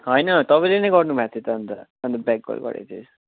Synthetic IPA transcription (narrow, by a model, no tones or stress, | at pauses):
ɦʌjnʌt̪ʌpʌ̃ĩlenʌjɡʌrnubʱat̪ʰjet̪ʌːnt̪ʌʌnd̪ʌbak̚ɡo̰lɡʌ̰ɾḛt̪ʰe